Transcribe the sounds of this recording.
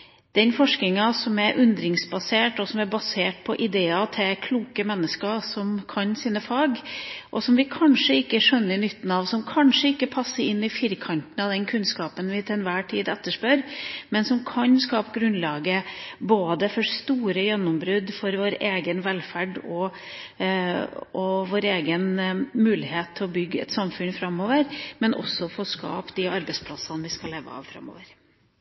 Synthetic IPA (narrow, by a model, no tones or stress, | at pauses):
d̪̥ɛnfɔʂknɪŋɑsɔmɛɾʔʉnd̪ɾɪŋsbɑseːʈɔsɔmæɾbɑseːʈ̚pʰɔʔɪd̪eːɑt̪ʰɪlkʰluːkəmɛnːəskəsɔmkʰɑnsinəfɑːɡʔɔsɔmʋɪkʰɑnʂəɪkːəʂœnːənʏt̪ːn̩ɑʋsɔmkʰɑnʂəɪkːəpʰɑsːəɾɪnːɪfɪɾkʰɑnt̪n̩ɑd̪ɛnkʰʉnskɑːpənʋɪt̪ʰɛnʋæːʈʰiːd̪ɛt̪ːəʂpœɾmɛnsɔmkʰɑnskɑːpɡɾʉnlɑːɡəboːd̪əfɔɾst̪uːɾəjɛnːɔmbɾʉd̪fɔɾʋoːɾeːɡənʋɛlfæɖɔ | ɔʋoːɾeːɡənmʉːlɪheːt̪ʰːɪɔbʏɡːəɛ̰t̪sɑmfʉnfɾɑmːoːʋəɾmɛnʔɔ̰sːɔfoːskɑ̰ːpd̪ɪɑɾbɛɪspʰlɑsɑnʋɪskɑleːʋə̰ɑ̰ːʋfɾɑ̰mːo̰ːʋəɾ